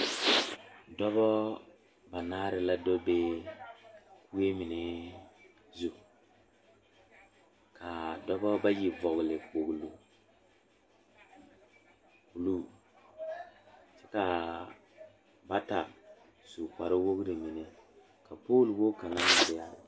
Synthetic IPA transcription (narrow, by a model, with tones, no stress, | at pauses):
dɔ˦βbɔ˦ | ba˨naː˦ɾɪ˨la˦dɔ˦be˦ | ku˦e˦mɪ˨ne˦ | zu˨ | kʰa˨dɔ˦bɔ˦ba˦ji˨vɔ˨ɣlɪ˨k͡po˨ɡlu˨ | ku˨lu˦ | sɛ˦ka˨ | ba˦ta˨ | su˨ka˨ɾɪ˦wo˦ɡɾi˨mi˨ne˨ | ka˨poː˦lwo˦ka˨na˦nɪ˨ɾɪ˨ja˦